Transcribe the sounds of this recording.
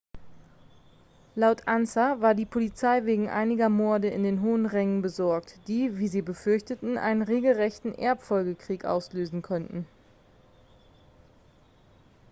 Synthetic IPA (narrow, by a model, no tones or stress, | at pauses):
laʊtʰʔansavaːɐdiːpʰolit͡saɪveːɡŋ̩ʔa̰ɪnɪɡɐmɔɐdəɪ̰ndeːnɦoːənʁɛŋənbəzɔɐktd̥iːviːziːbəfʏɐçtətn̩ʔa̰ɪnənʁeːɡl̩ʁɛçtn̩ʔɛɐpfɔlɡəkʁ̥iːkʔa̰ʊsløːzn̩kʰɔntn̩